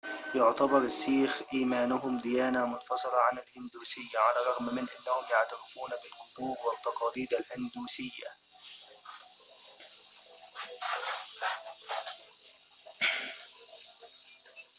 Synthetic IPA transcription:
jʊʕt̪abɑɾˤɪʃːiːxʔiːmaːnʊɦʊmd̪ɪjaːnamʊnfɑsˤɨlɑʕanalhɪnd̪uːsɪjːaʕalaːɾˤɑɣmmɪnʔanːahʊmjaʕt̪aɾɪfuːnabɪlqʊd̪ˤuːbwɪt̪ˤːɑqɑːliːd̪alhɪnd̪uːsɪjːa̰

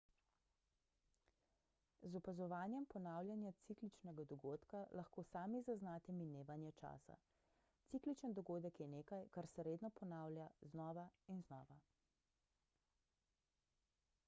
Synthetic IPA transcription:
zɔpazɔʋaːnjɛmpɔnaːwljanjat̪siklit͡ʃnɛɡad̪ɔɡoːt̪kalaxkoːsaːmizaznaːt̪ɛmineːʋanjɛt͡ʃa̰ːsa̰ | t̪siklit͡ʃənd̪ɔɡoːd̪əkjɛneːkajkaɾsɛɾeːd̪nɔpɔnaːwlʲjaznɔːʋainznɔ̰ːʋa

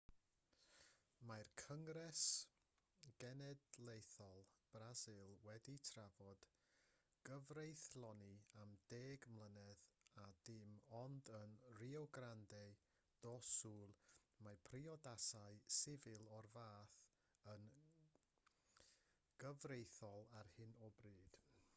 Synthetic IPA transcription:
majrkʰəŋrɛs | ɡ̥ɛnɛdlˠejθɔlˠb̥razɨlˠwɛditʰravɔd̥ | ɡ̥əvrejθlˠɔniamdeːɡmlˠənɛðadɪmɔndənriɔɡrandɛ | d̥ɔsuːlˠmapʰriɔdasaɨsɪvɪlˠɔrvaːθ | ən | ɡ̥əvrejθɔlˠarhɨnɔbriːd̥

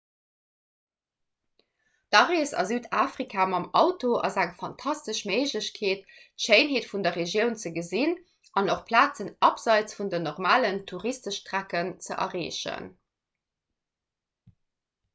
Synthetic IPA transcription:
d̥ɑʁeːsɑ̰zyːdaːfʁikʰaːmɑmɑʊtoʔɑ̰zæŋfɑntʰɑstəʃməɪʒləɕkʰeːttʃeɪnɦeːtfundɐʁeʒjəʊnt͡səɡəzin | ʔɑnoχpʰlaːt͡sənɑpz̥ɑɪt͡sfundənoʁmaːləntʰuʁistəʃtʁækənt͡sə̰ʔɐ̰ʁeːʃə̰n

